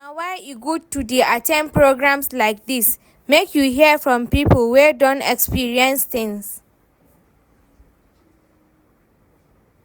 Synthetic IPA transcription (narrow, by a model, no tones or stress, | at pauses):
nawaɪuɡutudiʔatʰɛ̃npɹoɡɹãmslaɪk̚dis | mekʰjuɦiəfɹɔ̃mpipəlwɛdɔ̃nɛkspiɹiɛ̃nsθɪ̃ŋs